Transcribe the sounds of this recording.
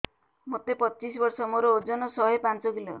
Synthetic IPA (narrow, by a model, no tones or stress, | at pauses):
mot̪epɔt͡ʃisbɔɾsɔmoɾood͡ʒɔnɔsɔɦepant͡ʃɔɡilɔ̰